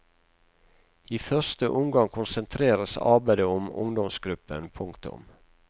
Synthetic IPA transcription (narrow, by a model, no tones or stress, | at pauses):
iːfœst̪əʔʊmɡɑŋkʰʊnsənt̪ʰɾeːɾəsɑ̰ɾbæɪd̪əɔmʊ̰ŋd̪ɔmsɡɾʉpənpʰʊŋkt̪ʊ̰m